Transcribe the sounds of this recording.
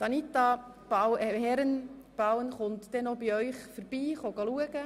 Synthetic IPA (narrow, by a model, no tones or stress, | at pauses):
sɑnit̪ɑ | b̥aɛhɛɾən | b̥awənχʊnt̪d̥ɛnobiœʏχfəɾb̥iːχoɡɑluəɡə